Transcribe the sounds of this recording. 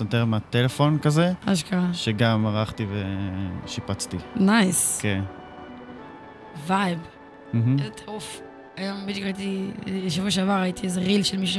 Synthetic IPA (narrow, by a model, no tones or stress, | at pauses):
sat̪eʁmeat̪elefo̞nkazeaʃkaaʃeɡamaʁaχt̪iveʃipat͡st̪inajskʰen | vajb | m̩ɦ̩ezet̪ʰaʁuf | ajombit͡ʃkʁait̪iʃavoʃavaʁait̪iezeʁilʃelmiʃu